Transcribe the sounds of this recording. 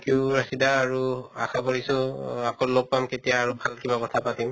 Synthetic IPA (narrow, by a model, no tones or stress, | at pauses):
kiʊɹasidaːɹuaxʰapɔɹisʊ̃akɔlɔk̚pamketijaːɹubʱalkibakɔtʰapatim